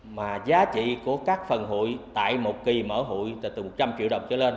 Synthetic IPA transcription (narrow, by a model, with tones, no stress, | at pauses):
maː˨˩zaː˨˦t͡ɕḭ˧˨ku˧˩əkaː˦˥k̚fə˨˩nɦo̰˧˨jt̪a̰ː˧˨jmo˨˩t̚ki˨˩məː˧˩˦ɦo̰˧˨jt̪t̪ɨ˨˩mo˨˩t̚t͡ɕa˧mt͡ɕḭ˧˨wɗə˨˩wŋ͡m̚t͡ɕə̰ː˧˦le˧n